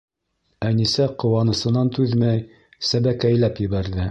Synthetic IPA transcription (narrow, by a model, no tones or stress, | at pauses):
ænisæqŏwɑnɤ̆sɤ̆nɑnt̪ʉðmæj | sæβækæjlæpjɘ̆βæɾðɘ